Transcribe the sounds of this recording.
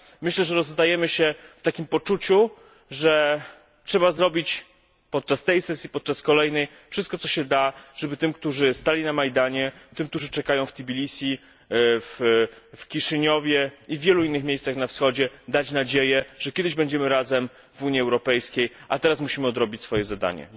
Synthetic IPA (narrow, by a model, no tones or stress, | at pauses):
mɘɕlɛʐɛɾɔzːd̪ajɛmɘɕɛft̪akʲimpɔt͡ʂut͡ɕu | ʐɛ | tʂɛbazɾɔbʲit͡ɕ | pɔt̪̚t͡ʂast̪ɛjsɛsʲjipɔt̪̚t͡ʂaskɔlɛjnɛj | fʂɘst̪̚kɔt̪sɔɕɛd̪aʐ̥ɛbɘt̪ɘmk̚t̪uʐɘst̪alʲinamajd̪aɲɛt̪ɘmk̚t̪uʐɘt͡ʂɛkajɔ̃w̃ft̪ʲibʲilʲisʲi | ffkʲiʂɘɲɔvʲjɛivːʲjɛluinːɘxmʲjejssaxnafsxɔd͡ʑɛd̪at͡ɕnad͡ʑejɛʐ̥ɛkʲɛd̪ɘʑbɛɲd͡ʑɛmɘɾazɛm | vuɲiɛwɾɔpɛjskʲejʔat̪ɛɾasmuɕimɘɔd̪ɾɔbʲit͡ɕʲsfɔjɛzad̪a̰ɲɛ̰